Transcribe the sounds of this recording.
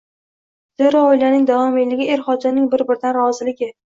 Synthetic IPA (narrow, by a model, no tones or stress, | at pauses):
z̥eɾɒojlanɪŋd̪avɒmejlɪɡʲɪe̞ɾχɒd͡ʒanɪŋbɪɾbɪɾd̪anɾɒzɪlɪɡʲɪ